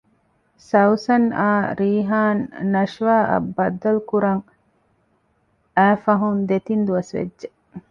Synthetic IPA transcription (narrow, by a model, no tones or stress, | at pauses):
sɐwsɐna̰ːɾiːɦaːnːɐʃʋaːʔɐ̰bːɐd̪ɐlukuɾɐŋ | æːfɐɦund̪et̪ind̪uʋɐsʋḛdːʒe